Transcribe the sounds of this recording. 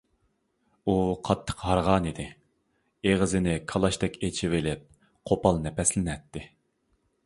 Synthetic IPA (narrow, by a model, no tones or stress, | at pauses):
uqʰɑt̪ʰːə̥qɦɑɾʁɑːnid̪ɪ | eʁəzɪnɪkʰɑlˠɑʃt̪ɛkʲet͡ʃʰivɪlɪp̚ | qʰopɑlˠnɛpɛslɪnɛt̪ʰːɪ